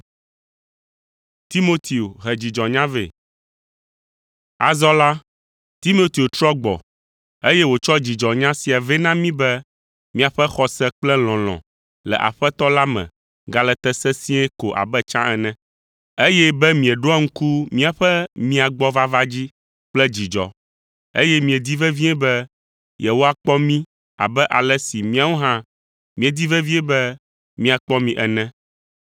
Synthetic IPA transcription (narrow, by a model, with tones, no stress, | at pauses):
t̪i˦mo˦t̪ʰi˨o˨ɦɛ˨d͡ʑi˨d͡ʒɔ̃˨ɲã˦vḛ˨ | a̰˨zɔ˦la˦ | t̪i˦mo˦t̪i˨o˨t̪ɾɔ˦ɡ͡bɔ̰˨ | e˦jɛ˦wo˨t͡ʃɔ˦d͡ʑi˨d͡ʒɔ˨ɲã˦si˨a˨vɛ˦nã˦mĩ˦bɛ˦ | mĩ˦a˨ɸɛ˦xɔ˦sɛ˦k͡plɛ˦l̃ɔ̃˨l̃ɔ̰̃˨ | lɛ̰˨ʔa̰˨ɸɛ˦t̪ɔ˦la˦mɛ̰̃˨ | ɡa˨lɛ˨t̪ɛ˦sɛ˦sĩ˦ɛ˦ko˨ʔa̰˨bɛ˦t͡ʃã̰˦ʔɛ˨nɛ̃˨ | e˦jɛ˦bɛ˦mĩ˨ɛ˨ɖo˦a˦ŋ̩˦ku˦mĩ˦a˨ɸɛ˦mĩ˦a˨ɡ͡bɔ˦va˦va˦d͡ʑi˦ | k͡plɛ˦d͡ʑi˨d͡ʒɔ̰˦ | ḛ˦jɛ˦mĩ˨e˨d̪i˦vɛ˦vi˦ɛ˦bɛ˦ | jɛ˨wo˦a˨k͡pɔ˦mĩ˦ | a̰˨bɛ˦ʔa˨lɛ˦si˨mĩ˦a˨wo˦ɦã˦ | mĩ˨e˨d̪i˦vɛ˦vi˦ɛ˦bɛ˦ | mĩ˦a˨k͡pɔ˦mĩ˦ʔɛ˨nɛ̃˦